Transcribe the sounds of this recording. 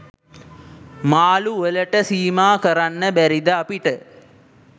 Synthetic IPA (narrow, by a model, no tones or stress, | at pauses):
maːluʋələʈəsiːmaːkəɾanːəbæɾid̪əapiʈə